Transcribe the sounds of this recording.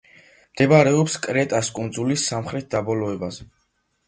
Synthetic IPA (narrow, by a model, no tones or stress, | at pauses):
md̪̥ɛbaɾɛɔpskʼɾɛt̪ʼaskʼund̪zulisːamχɾɛt̪̚ʰd̪abɔlɔɛbazɛ